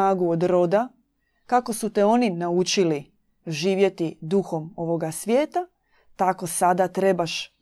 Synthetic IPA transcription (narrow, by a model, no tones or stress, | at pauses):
aːɡuod̪ɾo̞d̪a | kako̞sut̪eo̞ninaut͡ʃili | ʒiːʋje̞t̪id̪uxo̞mo̞ʋo̞ɡasʋʲje̞ːt̪a | t̪ako̞sad̪at̪ɾe̞baʃ